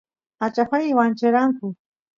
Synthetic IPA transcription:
at͡ʃapajwant͡ʃɪɾaŋkʊ

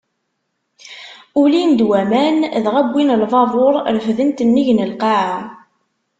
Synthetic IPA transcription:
ulind̪wæmænðʁæbːinlvˤɑðˤoɾˤɾəfðənt̪ənːiʝnəlqɑʕa

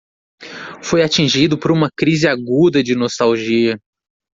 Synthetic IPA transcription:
fojat͡ʃĩʒid̪ʊpoɾũmɐkɾizɪaɡud̪ɐd͡ʒɪnost̪awʒiɐ

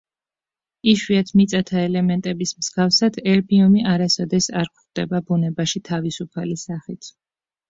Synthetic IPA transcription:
iʃwiat̪ʰmit̪sʼat̪ʰaɛlɛmɛnt̪ʼɛbismz̥ɡafsad̪ʰɛɾbiɔmiaɾasɔd̪ɛsaɾkʰχd̪ɛbabunɛbaʃit̪ʰavisupʰalisaχit̪ʰ

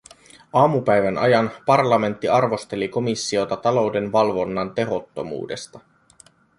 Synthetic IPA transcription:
ɑːmupæjʋænɑ̰jɑnpɑrlɑme̞nt̪ːiɑrʋo̞st̪e̞liko̞misːio̞t̪ɑt̪ɑlo̞wde̞nʋɑlʋo̞nːɑnt̪e̞ɦo̞t̪ːo̞̰mṵːde̞st̪ɑ

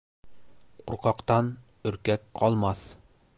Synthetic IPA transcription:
qʰṵɾqɑqt̪ɑn | ɵ̆ɾkækqʰɒlˠmɑθ

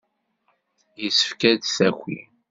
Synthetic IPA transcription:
jəsə̥fkæd̪θæxʷḭ

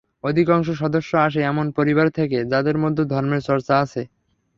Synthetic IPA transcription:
od̪ʱikɔŋʃ̬oʃɔd̪oʃːoaʃ̬eɛmonpoɾiβaɾt̪ʰeked͡ʑad̪eɾmod̪ʱːod̪ʱɔɾmeɾt͡ɕɔɾt͡ɕaat͡ɕʰe

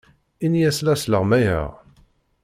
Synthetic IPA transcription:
injæslæsləʁmæjə̰ʁ

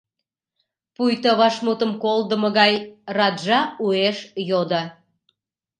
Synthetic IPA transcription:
pujt̪əβɑʃmut̪əmkold̪əməɣɑjrɑd̪ʒɑueʃjod̪ɑ

